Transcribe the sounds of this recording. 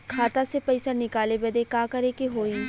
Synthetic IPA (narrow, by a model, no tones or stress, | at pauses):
kʰaːt̪asepɐɪsanɪkaːlebed̪ekaːkɐɾekeɦoːi